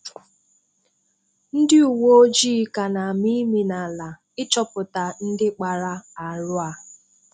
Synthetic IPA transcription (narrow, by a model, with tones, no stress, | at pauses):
n̩˦dɪ˦u˨wo˦o˦d͡ʒiː˦˨ka˨na˨mi˦mi˨na˨la˨ | ɪ˦t͡ʃɔ˦pʊ˨ta˨n̩˦dɪ˦k͡pa˨ɾa˦a˨ɾʊ˦a˨